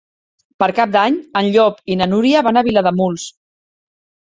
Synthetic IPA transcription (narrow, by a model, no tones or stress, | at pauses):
pəɾkap̚d̪aɲənʎɔpinənuɾiəβanəβilaðəmulˠs